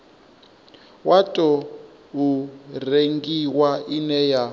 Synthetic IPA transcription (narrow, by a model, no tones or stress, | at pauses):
watʼɔ | ureŋɡiwaʔinɛja